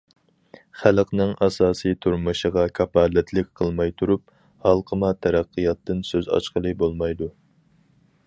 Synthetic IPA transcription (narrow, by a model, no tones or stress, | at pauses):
χælqnɨŋɑsɑːsɨt̪ʰuɾmɨʃəʁɑkʲʰɑpɑːlɛt̪ʰlɪk̚ʲqʰəlˠmɑjt̪ʰuɾup̚ | hɑlˠqʰəmɑt̪ʰɛɾæqːɨjɑt̪ʰːɨnsøzɑ̰ʃqəlˠɨbolˠmɑjd̪u